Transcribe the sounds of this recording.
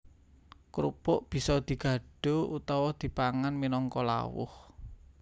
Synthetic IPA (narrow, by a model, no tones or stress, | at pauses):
kɾṵpʊʔb̥i̤sɔd̪̥i̤ɡ̥ä̤ɖ̥o̤ut̪ɔwɔd̪̥i̤paŋanminɔŋkɔla̰wʊ̰h